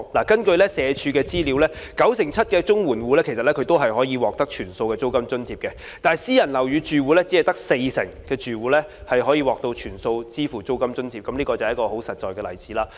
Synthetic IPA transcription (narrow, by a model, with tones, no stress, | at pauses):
laː˨˩kɐ˥nkɵ˧ɥlɛ˥sɛː˨˧t͡ʃʰyː˧kɛː˧t͡siː˥liː˨˧wlɛː˥kɐ˨˥wsɪ˨˩ŋt͡sʰɐ˥t̚kɛː˧t͡ʃʊ˥ŋwuː˨˩nwuː˨˧lɛː˥kʰe˨˩jsɐ˨t̚lɛ˦˥kʰɵ˨˧ɥt̪o˥wɦɐ˨jɦɔː˨˥jiː˧wɔː˨k̚t̪ɐ˥k̚t͡ʃʰyː˨˩nso˧wkɛː˧t͡so˥wkɐ˥mt͡ʃɵ˥nt͡sʰiː˧˥pkɛ˧ | t̪aː˨jsiː˥jɐ˨˩nlɐ˨˩wjyː˨˧t͡ʃyː˨wuː˨˧lɛː˥t͡si˨˥hɐ˨jt̪ɐ˥k̚se˧jsɪ̰˨˩ŋkɛː˧t͡ʃyː˨wuː˨˧lɛ˥hɐ˨jhɔː˨˥jiː˧wɔː˨k̚t̪o˧wt͡ʃʰyː˨˩nso˧wt͡siː˥fuː˨˩t͡so˥wkɐ˥mt͡ʃɵ˥nt͡sʰiː˧p̚kɐ˨˥mliː˥kɔː˧t͡sɐ˨˦ɐ˥kɔː˧ɦo˨˥wsɐ˨t̚t͡ʃɔː˨jkɛː˧lɐ̰˨˩jt͡siː˨˥laː˧